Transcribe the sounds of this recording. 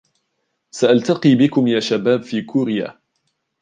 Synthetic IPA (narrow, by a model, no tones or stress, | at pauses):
saʔalt̪aqiːbɪkʊmjaːʃabaːbfiːkuːɾɪja̰ː